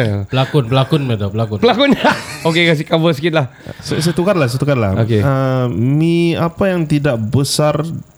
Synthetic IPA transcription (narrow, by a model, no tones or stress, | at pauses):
bəlakʊnbəlakʊnmadɔbəlakʊnbəlakʊnaokekas̬ikabəsəkɪt̪̚lahsəs̬at̪ukarlahs̬ajt̪ukarla̰okeəmiapajaŋt̪idaʔ̚bəsar